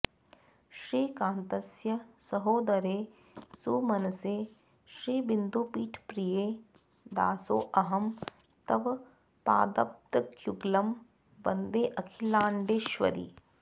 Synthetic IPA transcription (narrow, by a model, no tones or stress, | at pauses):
ʃɾiːkãːnt̪ɐsjɐsɐɦoːd̪ɐɾeː | suːmɐnɐseː | ʃɾiːbind̪uːpiːʈʰpɾijeː | d̪a̰ːso̰ːʔɐɦɐm | t̪ɐʋ | pa̰ːd̪ɐp̚t̪ɐkjuɡlɐm | bɐnd̪eːʔɐkʰilaːɳɖeːʃʋɐ̰ɾḭː